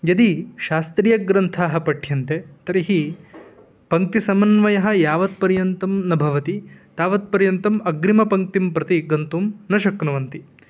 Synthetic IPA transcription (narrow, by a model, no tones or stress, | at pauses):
jɐd̪iʃaːst̪ɾijɐɡɾɐnt̪ʰaːɦɐpɐʈʰjɐnt̪et̪ɐɾiɦi | pɐŋk̚t̪isɐmɐnʋɐjɐɦɐ̆jaːʋɐt̪̚pɐɾjɐnt̪ɐmnɐbʱɐʋɐt̪it̪aːʋɐt̪̚pɐɾjɐnt̪ɐmɐɡɾimɐpɐŋk̚t̪impɾɐt̪iɡɐnt̪umnɐʃɐknɐʋɐnt̪i